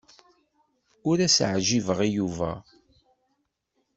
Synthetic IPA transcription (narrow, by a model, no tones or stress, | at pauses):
ʊɾæsʕʒivəʁijuvæ̰